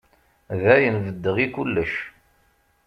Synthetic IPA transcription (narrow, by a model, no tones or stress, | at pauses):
ðæjənvəd̪ːəʁikulːəʃ